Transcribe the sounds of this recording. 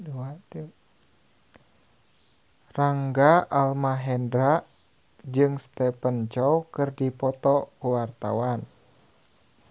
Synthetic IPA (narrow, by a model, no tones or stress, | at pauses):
duat̪i | raŋɡaʔalmaɦɛndɾa | d͡ʒɨŋst̪ɛpənt͡ʃɔwkɨrdipɔt̪ɔkuwart̪a̰wan